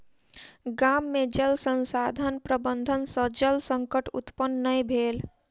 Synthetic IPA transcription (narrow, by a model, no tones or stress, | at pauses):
ɡaːmːed͡ʒəlsə̃nsaːd̪ʱənpɾəbənd̪ʱənsə̃d͡ʒəlsə̃ŋkəʈʊ̰t̪pənːəjbʱeːl